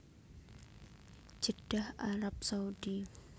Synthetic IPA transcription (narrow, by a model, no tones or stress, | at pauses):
d͡ʒəd̥ahaɾap̚saudi